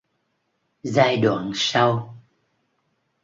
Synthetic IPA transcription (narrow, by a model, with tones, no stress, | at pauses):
zaː˧jɗwa̰ː˧˨nsa˧w